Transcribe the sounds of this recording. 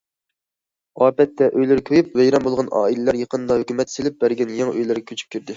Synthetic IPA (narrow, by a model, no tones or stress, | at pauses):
ɑːpɛt̪ːɛʔøjlɪɾɪkʲʰøjyp̚vɛjɾɑmbolˠʁɑnʔɑ̰ːilɪlæɾjeqənd̪ɑhøkʲymɛt̪selɪp̚bæɾɡʲɛnjɛŋøjlɪɾɡʲɛkʲʰøt͡ʃʰy̥p̚kʲyɾd̪ɪ